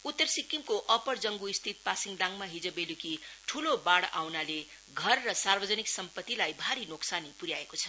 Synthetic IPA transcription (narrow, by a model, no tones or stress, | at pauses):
ut̪ːʌrsikːimkoʔʌpʌrd͡zʌŋɡuist̪ʰit̪̚pasiŋɡɖaŋmaɦid͡zʌbelukiʈʰulobaɽa̰wnale | ɡʱʌrːʌsarbʌd͡zʌniksʌmpʌt̪ːilajbʱaɾinoksanipuɾjaekot͡sʰʌ